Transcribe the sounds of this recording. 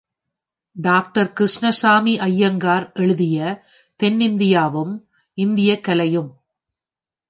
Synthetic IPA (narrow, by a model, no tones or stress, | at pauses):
ɖaːk̚ʈɐɾkɾɪʂɳɐsaːmiʔɐjːɐŋɡaːɾʔɛɻɯðɪjɐ | t̪ɛnːɪnd̪ɪjaːʋɯm | ɪnd̪ɪjɐkːɐlɐjɯm